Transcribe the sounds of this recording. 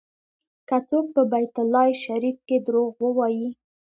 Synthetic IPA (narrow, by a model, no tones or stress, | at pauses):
kat͡sok̚pəbajt̪ʊlːɑjʃaɾifked̪ɾoɣwəwɑji